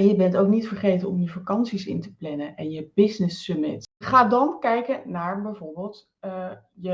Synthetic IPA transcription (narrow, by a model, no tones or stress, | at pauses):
ɛjəbɛntowknitfəɹχejtənɔmjəfakɑnsisɪ̰ntə̥plɛnənʔɛnjəbɪsnɪsːømɪtχaːdɑnkɛjkənaːɹbɛjvʊːɹbeːlˠt | jə